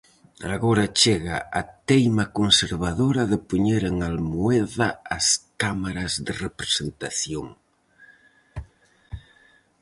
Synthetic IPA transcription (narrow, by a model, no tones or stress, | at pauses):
aɣoɾat͡ʃeɣaat̪ejmakonseɾβaðoɾɐðəpuɲeɾeŋalmueðaːskamaɾɐzðərepɾesent̪aθjoŋ